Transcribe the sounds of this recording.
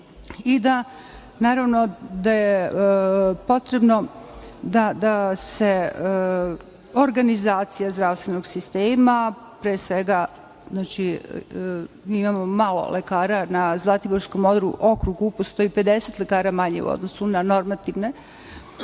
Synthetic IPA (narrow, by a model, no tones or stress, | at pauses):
id̪a | naːɾaʋno̞d̪aje | po̞t̪ɾe̞bno̞d̪ad̪ase̞ | oɾɡanizaːt̪sijazd̪ɾaʋst̪ʋenoɡsist̪eːma | pɾeːsʋeɡa | znaːt͡ʃi | miimamo̞malo̞̰lʔekaːɾanazlˠat̪iboɾsko̞mod̪ɾṵʔokɾuɡupost̪o̞jipe̞d̪eset̪lekaːɾamaɲḛṵo̰d̪nosunano̞ɾmat̪iʋne̞